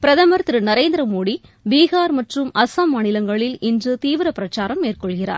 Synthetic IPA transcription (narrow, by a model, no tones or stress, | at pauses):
pɪɾɐðɐmɐɾt̪ɾɯnɐɾeːnd̪ɪɾɐmoːɽibiːɣaːɾmɐʈrɯmɐsaːmːaːnɪlɐŋɡɐɭɪlɪndrɯt̪iːʋɪɾɐpɪɾɐt͡ʃːaːɾɐmːeːrkɔɭɣɪra̰ːɾ